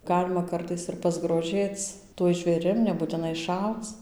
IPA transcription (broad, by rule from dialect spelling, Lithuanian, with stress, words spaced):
ˈɡɑːlʲɪmɐ ˈkɐrtɐɪs ɪr pɐzɡroːˈʒʲeːt͡s tuɔj ʒʲʋʲeːˈrʲɪm nʲɛbuːtʲɪˈnɐɪ ˈʃɐʊt͡s